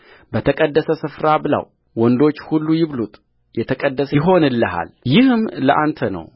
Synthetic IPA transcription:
bət̪ʰəkʼəd̪ːəsəsɨfɾabɨla̰w | wɔnd̪o̞t͡ʃːhulːujɪβlut̪ʼ | jɛt̪ʰəkʼəd̪ːəsəɦo̞nɨlːəɦa̰ljɪhɨmləʔant̪ʰənə̰w

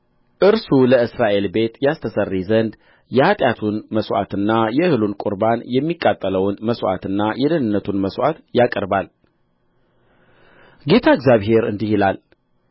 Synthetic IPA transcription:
ʔɨɾsuləɨsɾaʔe̞lbe̞t̪jast̪ʰəsərːizənd̪ | jɛhat̪ʼjat̪ʰunməswʔa̰t̪ɨnːajɛhɨlunkʼʊɾbanjɛmːikʼːat̪ʼːələwnməswʔa̰t̪ɨnːajʔɛd̪ənɨnːət̪ʰunməswʔat̪jakʼəɾbal | ɡe̞t̪ʰaɨɡzʲjaβɦe̞ɾɨnd̪ihilal

